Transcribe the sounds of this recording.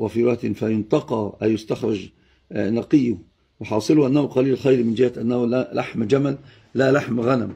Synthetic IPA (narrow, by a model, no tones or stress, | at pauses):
wa̰fiɾɑt̪ɪnfajʊnt̪ɑqɑʔajʊst̪axɾˤɑd͡ʒ | nɑqɨjːʊ | wɪħɑːsˤɨlʊʔanːahʊqɑliːlxajɾmɪnd͡ʒɪhaʔanːahlalaħmd͡ʒamalː | alaħmɣanam